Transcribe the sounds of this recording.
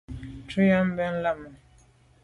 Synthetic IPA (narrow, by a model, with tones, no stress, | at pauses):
tu˦ja˦m˦bɛ˦n̩˦la˦ma˨